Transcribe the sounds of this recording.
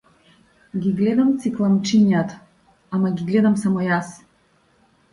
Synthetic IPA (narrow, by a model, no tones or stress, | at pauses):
ɡʲiɡlɛd̪amt̪siklˠamt͡ʃinjat̪ḁ | amaɡʲiɡlɛd̪amsamɔjas